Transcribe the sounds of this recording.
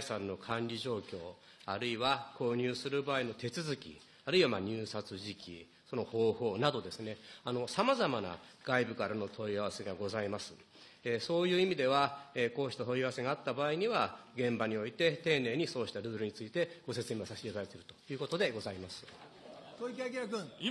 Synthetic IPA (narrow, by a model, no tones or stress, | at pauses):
sãnːo̞kʰãnʲɾʲiʑo̞ːkʲo̞ː | aɾɯ̟iβako̞ːɲ̟ɨːsɨɾɯ̟baːino̞t̪e̞t͡sɨzɨkʲḭ | aɾɯ̟iβamaɲ̟ɨːsat͡sɨʑikʲḭ | so̞no̞ho̞ːho̞ːnad̪o̞d̪e̞sɨne̞ano̞samazamana̰ɡ̥aibɯ̟kaɾano̞t̪ʰo̞iaβ̞ase̞ɡaɡo̞zaimasɨ | eso̞ːjɯ̟ːimʲid̪e̞βaeko̞ːɕçi̥t̪ot̪o̞iaβase̞ɡaːt̪ːabaːiɲ̟iβaɡẽ̞mbaɲ̟io̞it̪e̞t̪e̞ːne̞ːɲ̟iso̞ːɕi̥t̪aɾɯ̟ːɾɯ̟ɲ̟it͡sɨit̪e̞ɡ̥o̞se̞t͡sɨɲʲiβasaɕiebaɾet̪e̞ɾɯ̟̥t̪o̞jɯ̟ːkot̪o̞d̪e̞ɡo̞zaimasɨ̥ | tokʲakʲk